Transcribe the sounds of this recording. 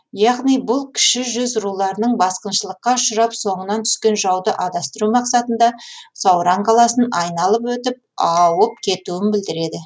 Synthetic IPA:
jɑʁnijbʊlˠkʲʰɪ̥ʃɪʒʏzɾulˠɑɾənəɴbɑsqənʃəlˠəqːɑʃʊɾɑpso̞ɴənɑnt̪ʰʏ̥skʲe̞nʒɑwd̪əʔɑd̪ɑst̪əɾumɑqsɑt̪ənd̪ɑsɑwɾɑɴqʰɑlˠɑsənɑjnɑlˠəpwɵt̪ɪp̚ɑwəp̚kʲʰe̞t̪uɪnbɪld̪ɪɾe̞d̪ɪ

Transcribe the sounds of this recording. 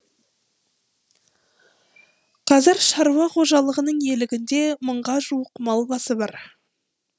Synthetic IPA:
qʰɑzɪɾʃɑɾuwɑqʰo̞ʒɑlˠəʁənəɴje̞lɪɡʲɪnd̪e̞məɴʁɑʒuwəqmɑlˠbɑsəbɑɾ

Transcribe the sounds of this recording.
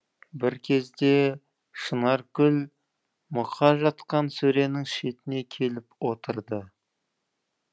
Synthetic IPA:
bɪɾkʲʰe̞zd̪e̞ | ʃənɑɾkʲʰʏl | mʊqʰɑʒɑt̪qɑnsɵɾe̞nɪŋʃet̪ɪne̞kʲʰe̞lɪpwo̞t̪əɾd̪ə

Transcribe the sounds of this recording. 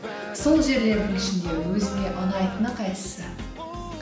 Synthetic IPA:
so̞lˠʒe̞ɾle̞ɾd̪ɪŋɪʃɪnd̪e̞wɵzɪnʲe̞ʔɑnɑjt̪ənəqʰɑjt̪ə̥sə

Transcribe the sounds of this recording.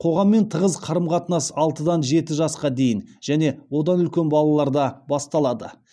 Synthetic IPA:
qʰo̞ʁɑmːe̞nt̪ʰəʁəzqʰɑɾəmqʰɑt̪nɑsɑlˠt̪əd̪ɑnʒe̞t̪ɪʒɑsqɑd̪e̞jɪnʒ̥æne̞wo̞d̪ɑnʏlkʲe̞nbɑlˠɑlˠɑɾd̪ɑbɑst̪ɑlˠɑd̪ə̰

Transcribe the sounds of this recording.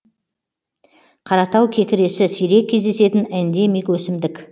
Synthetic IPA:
qʰɑɾɑt̪ɑwkʲʰe̞kʲɪɾe̞sɪsijɾe̞kʲʰːe̞zd̪e̞se̞t̪ɪnænd̪emijkwɵsɪmd̪ɪkʲ

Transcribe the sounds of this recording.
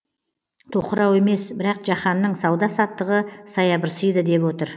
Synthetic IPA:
t̪ʰoqəɾɑwe̞me̞sbɪɾɑqʒɑχɑnːəɴsɑwd̪ɑsɑt̪ːəʁəsɑjɑbəɾsəjd̪əd̪e̞pwo̞t̪əɾ

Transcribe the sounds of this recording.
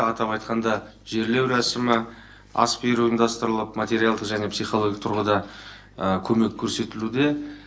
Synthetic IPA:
ɑt̪ɑpɑjt̪qɑnd̪ɑ | ʒe̞ɾle̞wɾæsɪmɪ | ɑ̰speɾuind̪ɑst̪əɾlˠəpmat̪ʲe̞ɾʲialˠd̪əqʒæne̞psijχo̞lˠoɡʲit̪ʰʊɾʁəd̪ɑ | əkʲʰɵme̞kʲʰːɵɾse̞t̪ɪlud̪e̞

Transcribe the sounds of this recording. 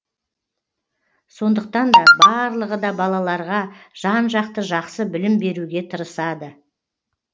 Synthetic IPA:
so̞nd̪əq̚t̪ɑnd̪ɑbɑɾlˠəʁəd̪ɑbɑlˠɑlˠɑɾʁɑʒ̥ɑnʒɑqt̪əʒɑqsəbɪlɪmbe̞ɾuɡʲe̞t̪ʰəɾəsɑd̪ə

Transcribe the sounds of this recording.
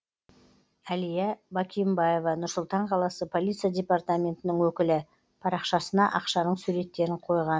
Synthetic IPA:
ælijabɑkʲʰijmbaje̞vɑnʊɾsʊlˠt̪ɑɴqʰɑlˠɑsəpʰo̞lˠit̪sijadʲe̞part̪amʲe̞nt̪ɪnɪŋwɵkʲɪlɪ | pʰɑɾɑqʃɑsənɑʔɑqʃɑnəɴsuɾe̞t̪ːe̞ɾɪɴqʰo̞jʁɑn

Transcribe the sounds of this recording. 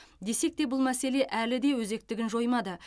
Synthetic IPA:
d̪e̞se̞k̚t̪e̞bʊlˠmæse̞le̞ʔælɪd̪e̞wɵze̞k̚t̪ɪɡʲɪnʒo̞jmɑd̪ə

